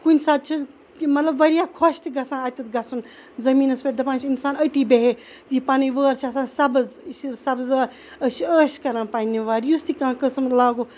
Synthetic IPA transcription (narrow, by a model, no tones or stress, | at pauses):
kunʲsaːd̪̚t͡ʃʰin | mɐt̪lɐbʋɐɾijaːkʰoʃt̪iɡɐsãːɐt̪it̪ɡɐsun | zɐmiːnɐspʲeʈ̚d̪ɐpaːnt͡ʃʰinsaːnət̪iːbeɦe | d͡ʒipaːniʋəːɾt͡ʃʰiɐsãːnsɐbzʃisɐbzaːɾ | əʃiəːʃkɐɾãːpaːnʲːiʋaːɾjust̪ikãːkəsmlaːɡoː